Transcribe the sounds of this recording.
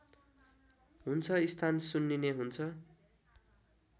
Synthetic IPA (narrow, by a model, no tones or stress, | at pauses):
ɦunt͡sʰʌist̪ʰansunːineɦunt͡sʰʌ